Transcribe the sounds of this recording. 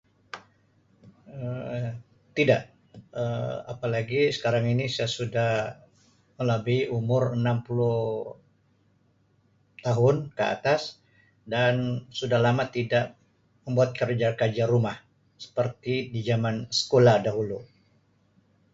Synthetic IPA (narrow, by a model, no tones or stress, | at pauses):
ə | t̪idaʔ | əa̰palaɡisə̥kaɾaŋinisajasudah | mələbiʔumʊrənampuluh | t̪aɦʊnkəa̰t̪as | dansudahlamat̪idaʔ | məmbuat̪̚kərd͡ʒakad͡ʒaɾumah | sə̥pərt̪idid͡ʒamansə̥kolahdaɦulu